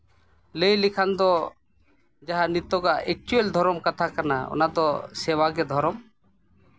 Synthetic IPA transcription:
lejlikʰand̪ɔ | d͡ʒaɦanit̪ɔɡaʔɛk̚t͡ʃueld̪ʱɔɾɔmkat̪ʰakana̰ɔ̰nad̪ɔsɛwaɡɛd̪ʱɔɾɔm

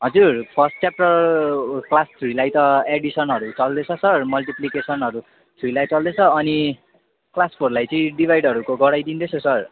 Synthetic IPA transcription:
ɦʌd͡zurpʰʌsʈt͡sap̚ʈʌrklast̪ʰrilajt̪ʌeɽisʌnɦʌɾut͡sʌld̪et͡sʰʌsʌrmʌlʈiplikesʌnɦʌɾu | t̪ʰrilajt͡sʌld̪et͡sʰʌːni | klaspʰorlajt͡sʌĩɖibʱajɖʌɾukoɡʌɽajd̪ind̪et͡sʰosʌr

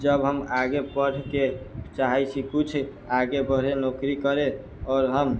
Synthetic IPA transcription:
d͡ʒəbɦəmaɡepəʈʰket͡ʃaɦɛsʰikut͡ʃʰ | aɡebəɾenokɾikəɾe | ɔːɾɦəm

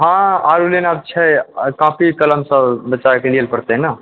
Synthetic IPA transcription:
ɦãaɾulenab̚t͡ʃʰɛkãpikələmsə̃bət͡ʃakelielpəɾt̪ɛɦna

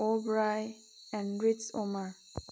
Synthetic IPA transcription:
obɹaj | ɛ̃nɹitso̰ma

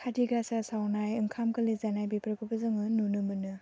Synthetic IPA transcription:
kʰadiɡasasawnajɯŋkʰamkɯlizanajbipɾɯkʰɯbɯzɯŋɯnunɯmɯnɯ

